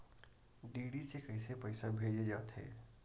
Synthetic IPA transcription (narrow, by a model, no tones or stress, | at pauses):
ɖiːɽisekəɪsepəɪsabʱed͡ʒed͡ʒaːt̪ɦɛ̰ː